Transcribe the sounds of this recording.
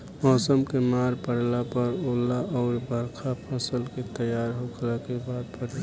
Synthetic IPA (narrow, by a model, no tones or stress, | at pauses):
mɔːsəmkemaːɾpəɽlapəɾoːlːaɔːɾbʱəɾkʰapʰəsəlket̪əjaːɾɦokʰlakebaːd̪̚pʰəɽi